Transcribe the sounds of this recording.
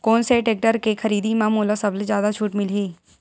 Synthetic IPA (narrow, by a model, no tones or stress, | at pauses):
koːnseʈeːk̚ʈəɾkekʰɐɾiːd̪imãmoːlasɐblzjaːd̪at͡ʃʰuːʈmɪlɦiː